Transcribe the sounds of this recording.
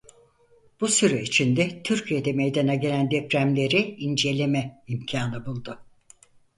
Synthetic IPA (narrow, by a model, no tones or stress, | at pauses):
b̥usyɾɛit͡ʃʰind̪ɛt̪ʰyɾcʰijed̪ɛme̞jd̪anaɟe̞lʲænd̪ɛpɾæmlʲe̞ɾiind͡ʒe̞lʲe̞mɛimcʰaːnɯbulˠd̪ʊ